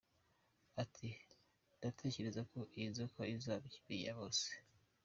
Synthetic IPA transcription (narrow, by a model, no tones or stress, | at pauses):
atʰi | datʰe̞ːce̞ɾe̞zako̞ʔizokʰoizaβiiβija̰βo̞ːse̥